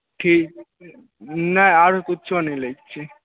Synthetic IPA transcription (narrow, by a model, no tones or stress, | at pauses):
ʈʰik̚ | nɛaɾokutːt͡ʃʰonilejk̚t͡ɕʰi